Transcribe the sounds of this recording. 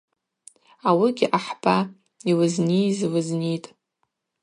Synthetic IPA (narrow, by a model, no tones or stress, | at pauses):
awiɡʲɪʔaħb̥a | iwɨznijzwɨznitʼ